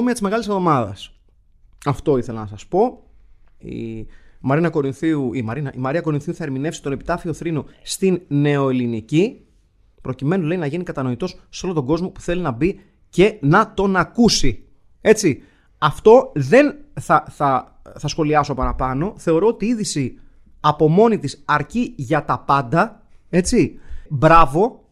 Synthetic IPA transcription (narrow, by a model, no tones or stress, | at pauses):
miɐt̪izme̞ɣɐlisovðo̞mɐðɐ̰s | ɐft̪o̞iθe̞lɐnɐsɐspo̞ | ḭmɐɾinɐko̞ɾinθiuimɐɾinɐʔimɐɾiɐko̞ɾinθiuθɐeɾmine̞fsi̥t̪o̞ne̞pi̥t̪ɐfio̞θɾino̞st̪inːe̞o̞elinici | pɾo̞cime̞noleinɐʝinikɐt̪ɐno̞it̪o̞sːo̞lot̪o̞ɡo̞zmo̞pu̥θe̞linɐbi | ce̞nɐt̪o̞nɐkusi | e̞t͡si | ɐft̪o̞ðe̞nθɐθɐ | θɐsxo̞liɐso̞pɐnɐpɐno̞θe̞o̞ɾo̞ot̪iiðisi | ɐpo̞mo̞nit̪isɐɾciʝɐt̪ɐpɐnd̪ɐ | e̞t͡sibɾɐvo̞